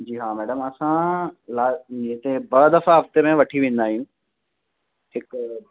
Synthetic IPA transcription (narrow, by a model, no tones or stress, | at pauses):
d͡ʑiːɦaːmɛːɖəmɐsãlaːĩt̪ebɐd̪ɐfaɦɐft̪emẽʋɐʈʰiʋẽːn̆d̪aːɦijũː | ɦɪk